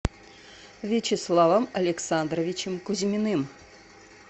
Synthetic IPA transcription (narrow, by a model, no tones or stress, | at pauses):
vʲet͡ɕeslˠɑvəmɐlʲeksand̪rəvʲit͡ɕɪmkuzʲmʲɪnɨm